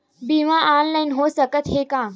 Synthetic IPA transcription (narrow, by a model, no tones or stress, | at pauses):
bimãʔaːnlainɦosəkət̪ɦekãː